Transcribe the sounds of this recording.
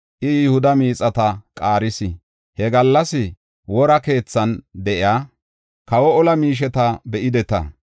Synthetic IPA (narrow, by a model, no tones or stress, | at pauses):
ʔɪjɪhʊd̪ɐmiːt͡sʼɐt̪ɐkʼaːɾɪsɪ | hɛɡɐlːɐsɪ | wɔɾɐke̞ːt͡sːɐnd̪ɛʔɪaː | kɐwɔɔlɐmiːʃ̬ɛt̪ɐbɛʔɪd̪ɛt̪ɐ̰